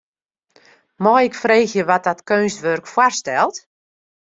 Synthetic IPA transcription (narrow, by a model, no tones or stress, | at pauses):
mɔjɪkfreːxjəʋɔt̚dɔtkøːnstʋørkfwarstɛlˠt